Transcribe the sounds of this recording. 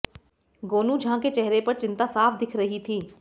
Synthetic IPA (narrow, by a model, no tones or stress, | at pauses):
ɡoːnũːd͡ʒʱãːket͡ʃɛɦɾepɐɾt͡ʃɪ̃nt̪aːsaːpʰd̪ɪkʰɾəɦit̪ʰiː